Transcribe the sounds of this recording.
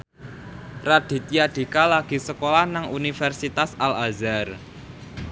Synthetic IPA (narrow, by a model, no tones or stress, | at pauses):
rad̪̥i̤t̪jad̪̥i̤kalaɡ̥i̤səkolahnaŋunifɛrsit̪asalazar